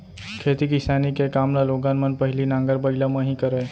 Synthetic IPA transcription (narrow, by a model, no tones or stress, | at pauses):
kʰeːt̪ikɪsaːnikekaːmnaloːɡaːnmɐnpɐɦɪlinãːŋɡəɾbəɪlamãɦikəɾeː